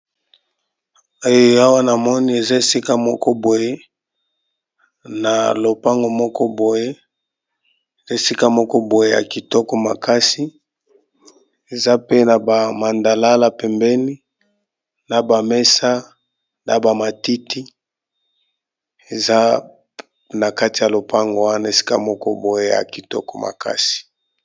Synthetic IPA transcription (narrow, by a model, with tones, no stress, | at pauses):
o˦jo˦a˦wa˦na˨mɔ˦ni˦e˨za˦e˨si˦ka˦mɔ˦kɔ˦bo˨je˦ | na˨lo˨pa˦ŋɡo˨mɔ˦kɔ˦bo˨je˦ | e˨za˦e˨si˦ka˦mɔ˦kɔ˦bo˨je˦ja̰˨ki˨tɔ˦kɔ˦ma˨ka˦si˦ | e˨za˦pe˦na˨ba˨ma˨nda˨la˦la˨pɛ˨mbɛ˦ni˦ | na˨ba˨mɛ˦sa˦ | na˨ba˨ma˨ti˦ti˦ | e˨za˦ | na˨ka˦ti˨ja˨lo˨pʰa˦ŋɡo˨wa˦na˨e˨si̥˦ka̰˦mɔ˦kɔ˦bo˨je˦ja̰˨ki˨tɔ̰˦kɔ˦ma̰˨ka̰˦si̥˨